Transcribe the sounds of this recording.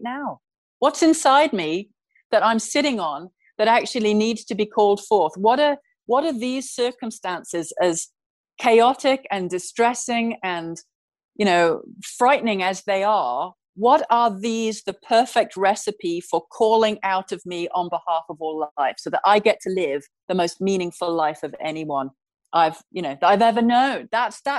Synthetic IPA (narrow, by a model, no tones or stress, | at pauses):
naʊ | wʌtsɨ̃nsaɪd̚mi | ðəɾãɪ̃msɪɾɪ̃ŋə̃n | ðɨɾæk̚t͡ʃʉl̩ˠinidz̥tʰɨbikʰɔlˠd̥fɔɹθwʌɾə | wʌɾə˞ðiz̥sɜ˞kə̃m̩stæ̃nsɪzɨz̥ | kʰeɪɑɾɪkɨ̃ndɨstɹ̥ɛsɪ̃ŋɨ̃n | jɨɾ̃oʊfɹaɪʔn̩ɪ̃ŋɨzðeɪə˞ | wʌɾə˞ðizðɨpʰɜ˞fɛk̚t̚ɹɛsɨpifə˞kʰɔlˠɪ̃ŋaʊɾʌvmiʔə̃nbəhɑfʌvɔlɪfsoʊðəɾaɪɡɛtʰəlɪv̥ | ðəmoʊst̚mĩnɪ̃ŋfəlˠaɪfʌvɛ̰niwʌ̃n | ʔaɪv̥jɨñoʊaɪvɛvə˞nõʊ̃nðətsðə